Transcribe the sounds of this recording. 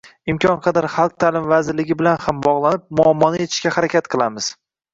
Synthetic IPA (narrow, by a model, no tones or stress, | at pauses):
ɪmkʲʰɒnqʰɑd̪aɾχɑlˠq̚t̪ʰalɪmvazɪɾlɪɡʲɪbɪlanhambɒʁlˠanɪp̚mʊamːɒnɪet̪ʰɪ̥ʃkʲahaɾakʲat̪qʰɨlˠamɪz̥